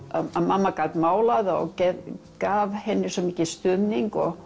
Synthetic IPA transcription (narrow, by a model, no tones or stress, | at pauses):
aamamːakaːt̪maːwlaðɔ̰ɣcɛkaːvhɛnːɪsɔmiːcɪst̪ʏðniŋkɔ̰ɣ